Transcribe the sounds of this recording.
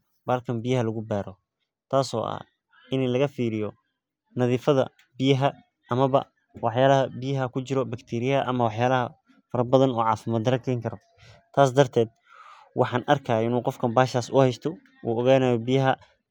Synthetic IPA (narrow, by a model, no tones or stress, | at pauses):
baːlkʰɐmbɪjɐɦɐlɐɣʊbaːɾɔ | t̪ʰaːsɔ̰ːʔɐ̰h | ʔɪnlɐɣɐfiːɾɪjɔ | nɐðiːfɐðɐ̰ | bɪjɐɦɐ | ʔɐmɐβɐ̰ | wɑħjaːlɐɦɐbɪjɐɦɐkʰʊt͡ʃɪɾɔbɐkt̪ʰiːɾɪjɐɐʔɐmɐwɑħjaːlɐɦɐ | fɐɾɐbɐðɐnɔːʕɑːfɪmaːd̪ɐɾɐkʰɛjŋkʰɐɾɔ | t̪ʰaːsd̪ɐrt̪ʰɛːd̪̚ | wʔɑħɑːnʔɐrkʰaːɪnuːqɔfkʰɐmbaːʃaːsʊhɛjst̪ʰɔ | uːɔɣaːnaːjɔbɪjɐɦɐ